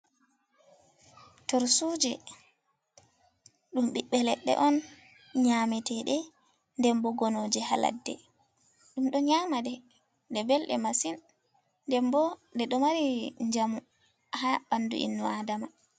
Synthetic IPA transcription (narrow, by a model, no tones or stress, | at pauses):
tɔɾsuːd͡ʒɛ | ɗumɗiɓːɛlɛɗːɛ̰ʔɔn | ɲamɛtɛɗɛ | ndɛmbɔɡɔnoːd͡ʒɛha̰la̰dːɛ̰ | ɗumɗɔɲaːmadɛ | dɛbɛlɗɛmasinː | dɛmbɔndɛɗɔmaɾiɲd͡ʒamu | haɓandṵʔḭnːuadama